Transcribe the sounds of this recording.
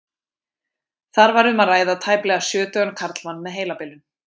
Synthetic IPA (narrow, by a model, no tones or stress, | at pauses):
θaɾvaɾʏmaðraːjðat̪ʰaːjplɛɣasjœːt̪œɣankʰaɾt̪lmanːmɛðɦeːjlapɪlʏn